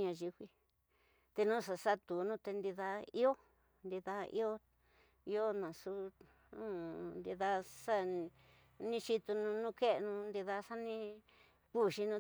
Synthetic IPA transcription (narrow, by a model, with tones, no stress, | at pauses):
ɲã˧ʒi˧hʷi˧ | t̪e˧nũː˦ʂa˧sa˦t̪u˨nũ˦t̪e˧nd̪i˧ða˧i˦o˦ | nd̪i˧ða˧ḭ˦o˦ | i˦o˦nã˨su˦ | nũ˦nd̪i˧ða˧sa˦ | nĩ˦˧t͡ʃi˧t̪u˧nũ˧nũ˦˧ke˦ʔnũ˧nd̪i˧ða˧sa˦nĩ˦ | ku˦ʃi˧nũː˦